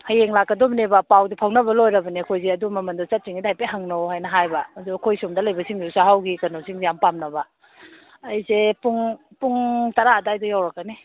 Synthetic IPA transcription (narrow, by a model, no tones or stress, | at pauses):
hɐjeŋlakːɐdomnebɐpawdipʰawnɐbɐlojɾɐbɐnikʰojzeɐdumɐmɐndɔt͡ʃɐt̚siŋidajpeɦaŋnowhajnɐɦajbɐduɐkʰojsumdɐlɐjbɐsiŋdiusaɦawɡikɐnosiŋzijampamnɐbɐː | jzepuŋ | puŋtɐɾaːdajdɔjawɾɐkːani